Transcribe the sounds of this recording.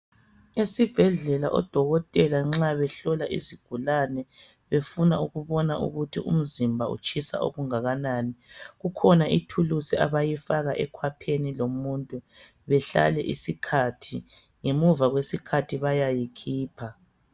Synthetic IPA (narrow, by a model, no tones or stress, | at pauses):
esib̥ʱɛɮɛlaʔɔ̰d̥ʱɔɣɔtʼɛlaŋ͡ǁaβɛɬɔlaʔḭziɡ̥ʱulanɛ | βefunauɣuβɔnaʔṵɣutʰiʔṵm̩zimbʱaṵt͡ʃʰʼisa̰ʔo̰ɣuŋaɣanaːniɣukʰɔnaʔitʰulusia̰βajifaɣaʔɛkʰwapʰenilomuntʼu | βɛɬa̰lɛ̰ʔḭsikʰatʰi | ŋemuvaɣwesikʰatʰiβajajikʰiːpʰa